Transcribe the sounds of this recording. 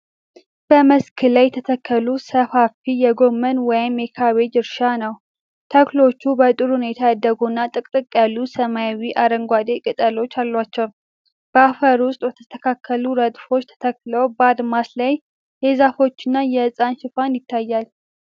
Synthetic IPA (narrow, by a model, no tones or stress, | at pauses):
b̥əməskʰɨlajɛt̪ʰət̪ʰəkʰːəlusəfafijɛɡo̞mːənwɔjɪmjɛkʰaβed͡ʒɪɾʃanəw | t̪ʰəklo̞t͡ʃːubət̪ʼɨɾhune̞t̪ʰajad̪ːəɡunːat̪ʼɨkʼt̪ʼɨkʼːjalːusəmajawiʔaɾəŋɡʷad̪ekʼɨt̪ʼəlo̞t͡ʃːalːwat͡ʃːɛw | b̥əafəɾwʊst̪ʼwɛt̪ʰə̥st̪ʰəkʰakʰːəluɾəd̪fo̞t͡ʃːt̪ʰə̥t̪ʰəkːləwbad̪maslaj | jezafo̞t͡ʃːɪnːajɛɨsʼanʃɪfanjɪt̪ʰːajːal